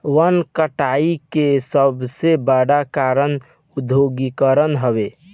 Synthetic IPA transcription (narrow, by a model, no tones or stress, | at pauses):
ʋənkəʈaikesəbsebaɽakaɾən | ud̪ʱjoɡikəɾənɦəbe